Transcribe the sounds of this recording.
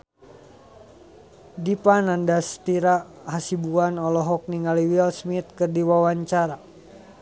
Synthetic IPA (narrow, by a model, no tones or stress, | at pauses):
dipanandast̪iɾa | hasibuanɔlɔɦɔk̚niŋaliwilsmit̪̚kɨrdiwawaɲt͡ʃaɾa